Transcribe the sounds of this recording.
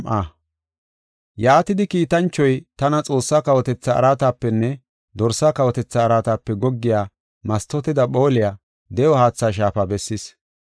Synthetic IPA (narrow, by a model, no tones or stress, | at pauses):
ʔaː | jaːt̪ɪd̪ɪkiːt̪ɐnt͡ʃːɔjt̪ɐnɐt͡sʼo̞ːsːakɐwɔt̪ɛt͡sːɐɐ̰ɾaːt̪aːpːɛnːɛ | d̪ɔɾsːakɐwɔt̪ɛt͡sːɐːɾaːt̪aːpːɛɡɔɡːɪjaː | mɐst̪ːɔt̪ɪd̪ɐpo̞ːlɪjaː | d̪ɛjɔhaːt͡sːaːʃ̬aːfabɛsːɪs